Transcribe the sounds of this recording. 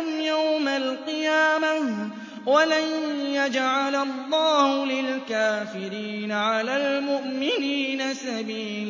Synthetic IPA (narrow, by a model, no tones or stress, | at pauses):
mjawmalqɨjaːma | walajjad͡ʒʕalalˤːɑːhʊlɪlkaːfɪɾiːnaʕalaːlmʊʔmɪniːnasabiːl